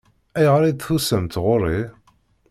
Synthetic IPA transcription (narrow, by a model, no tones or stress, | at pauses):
æjʁɾˤid̪θθusəmt̪ʁʊɾˤːi